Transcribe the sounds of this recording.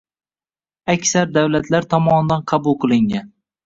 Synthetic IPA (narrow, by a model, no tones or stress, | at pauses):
akʲsaɾd̪awlat̪ʰlaɾt̪ʰɒmɒnd̪anqʰɑbulˠqʰɨlˠɪŋan